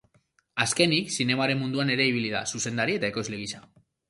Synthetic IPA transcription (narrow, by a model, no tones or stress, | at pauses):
aske̞niksine̞maɾe̞mːund̪uane̞ɾe̞iβ̞iliða̰suse̞nd̪aɾie̞t̪aeko̞zleɣisa